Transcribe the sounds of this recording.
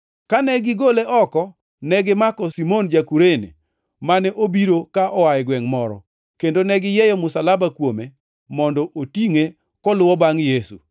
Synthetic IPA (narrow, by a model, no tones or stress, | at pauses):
kanɛɡɪɡoleʔɔkɔ | nɛɡɪmakɔsimond͡ʒakuɾenḛ | manɛʔobiɾokaʔɔwajɪɡwɛŋmɔɾɔ̰ | kendonɛɡɪjɛjɔmʊsalabakwome | mɔndɔʔotiŋe | kɔlʊwɔbaŋjesṵ